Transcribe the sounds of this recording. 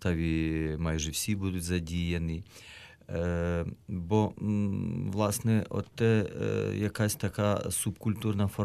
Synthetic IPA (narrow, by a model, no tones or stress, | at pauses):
t̪aʋʲimajʒɛwsʲibud̪ʊtʲzɐdʲijeni | bɔ | ʋlˠɑsnɛɔ̰t̪ːɛjakasʲt̪ɐkasubkulʲt̪urnɐfɔ